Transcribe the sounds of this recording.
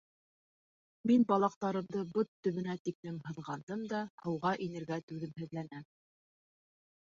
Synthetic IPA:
minbɑlˠɑq̚t̪ɑɾɤ̆md̪ɤbot̪ːɵ̆βɘ̆næt̪iklɘmhɤ̆ðʁɑnd̪ɤmd̪ɑhɤ̆wʁɑʔinɘ̆ɾɡæt̪ʉðɘmhɘ̆ðlænæm

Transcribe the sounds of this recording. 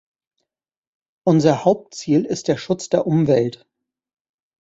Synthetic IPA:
ʔʊnzɐhaʊp̚tt͡siːlɪst̚d̥eːɐʃʊt͡sd̥eːɐʔʊmvɛlt

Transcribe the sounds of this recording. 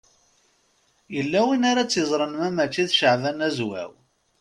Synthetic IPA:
jəlːæwinaɾat͡sːjəzˤɾˤənmæmæt͡ʃːiθʃəʕvænæzwæ̰w

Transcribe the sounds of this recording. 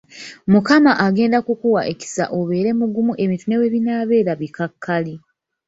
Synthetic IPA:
mukamaʔaɡe̞ːndakukuwaʔe̞ci̥sa̰ʔoβe̞ːɾe̞muɡumuʔe̞mitune̞we̞βinaːβe̞ːɾaβikakʰːali

